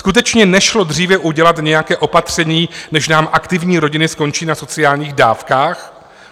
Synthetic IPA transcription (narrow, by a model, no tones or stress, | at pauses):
skut̪̬ɛt͡ʃɲɛnɛʃlo̞d̪r̝iːvɛʔuɟɛlat̪ɲɛjakɛːʔo̞pat̪r̝̥ɛɲiːnɛʃnaːmʔakt̪ɪvɲiːɾo̞ɟɪnɪsko̞nt͡ʃiːnaso̞t͡sɪaːlɲiːɣda̰ːfkaːx